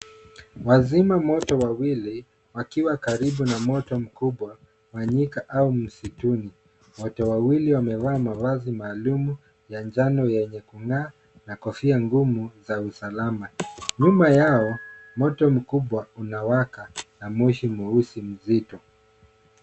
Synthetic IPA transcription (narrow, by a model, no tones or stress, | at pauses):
wazimamɔtɔwawili | wakiwakaɾiɓunamɔtɔm̩kuɓwa | waɲikaʔaum̩situni | mɔtɔwawiliwamɛvaːmavazimaːlumu | jand͡ʒanɔjɛɲɛkuŋaː | nakɔfiaŋɡumuzausalamaɲumajaɔmɔtɔm̩kuɓwaunawakanamuʃimuusim̩zitɔ